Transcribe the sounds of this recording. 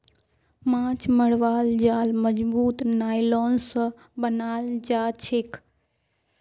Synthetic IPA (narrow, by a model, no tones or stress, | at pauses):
mãːt͡ʃməɽʋaːld͡ʒaːlməd͡ʒbuːt̪naːilɔːns | bənaːld͡ʒaːt͡ʃʰek